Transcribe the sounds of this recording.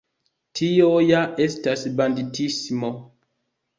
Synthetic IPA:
tʰiojaʔestasbanditismo

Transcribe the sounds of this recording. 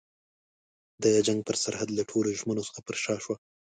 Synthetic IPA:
d̪əjad͡ʒaŋɡ̚pəɾsaɾhad̪laʈʰoloʒmənosə̥xapəɾʃɑʃwa

